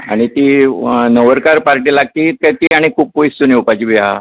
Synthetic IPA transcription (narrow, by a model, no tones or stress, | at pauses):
a̰ɽ̃it̪iːnəʋəɾkaɾpaɾʈiːlaɡ̚t̪iːkat̪iaɽ̃ikʰuːp̚kojst̪uneupat͡ɕibia̰